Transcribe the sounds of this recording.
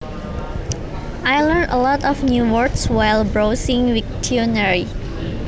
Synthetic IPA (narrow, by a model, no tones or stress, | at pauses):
ajlə̃nə̰lɔtɔfnjuwɔɹdswajlbɹosĩŋwik̚tʰiɔnəɹi